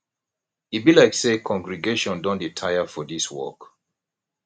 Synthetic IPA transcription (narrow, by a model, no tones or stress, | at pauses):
it̚bilaɪksekʰɔ̃ŋɡɹiɡeʃɔ̃ndɔ̃nditʰajəfɔðiswɔ̰k